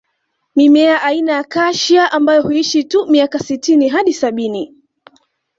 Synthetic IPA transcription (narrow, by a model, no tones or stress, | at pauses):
mimɛaʔainajakaʃiaʔambajɔhuiʃitumiakasitiniɦaɗisaɓini